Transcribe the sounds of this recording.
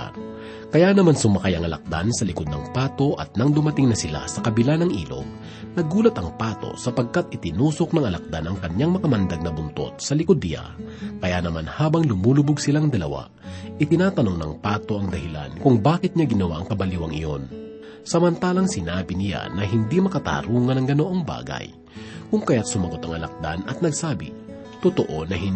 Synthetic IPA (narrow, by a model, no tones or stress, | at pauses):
kɐjanɐmansʊmɐkajɐŋɐlɐ̰k̚d̪a̰nsɐlɪkod̪nɐŋpaːt̪o̞ʔɐ̰t̪̚nɐŋd̪ʊmɐt̪ɪŋnɐsɪla̰sɐkɐbɪlanɐŋʔḭːlo̞̰b̚ | nɐɡuːlɐt̪ɐŋpaːt̪o̞̰sɐpɐɡ̚kat̪̚ʔɪt̪ɪnuːso̞k̚nɐŋɐlɐk̚d̪anɐŋkɐɲːaŋmɐkɐmɐnd̪aɡ̚nɐbʊnt̪o̞̰t̪̚sɐlɪkod̪̚nɪla̰ | kɐjanɐmanhaːbɐŋlʊmuːlʊbʊɡ̚sɪlaŋd̪ɐlɐwa̰ | ʔɪt̪ɪnaːt̪ɐno̞ŋnɐ̰ŋpaːt̪o̞ʔɐŋd̪ɐhɪla̰nkʊŋbaːkɪt̪̚ɲaɡɪnɐwaʔɐŋkɐbɐliwɐŋɪ̰jo̰n | sɐmɐnt̪aːlɐŋsɪnaːbɪnɪla̰nɐɦɪnd̪imɐkɐt̪a̰ːɾuːŋɐnɐŋɡɐnoʔoŋba̰ːɡɐ̰j | kʊŋkɐjat̪̚sʊmɐɡo̞t̪ɐŋɐlɐ̰k̚d̪a̰nɐt̪̚nɐɡsaːbɪ̰ | t̪ʊt̪o̞ʔonɐ